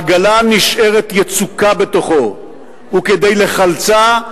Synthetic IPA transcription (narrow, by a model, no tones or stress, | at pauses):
aɡalaniʃʔe̞ʁet̪jet͡sukabe̞t̪o̞χo̞ | uked̪ejle̞χalt͡sa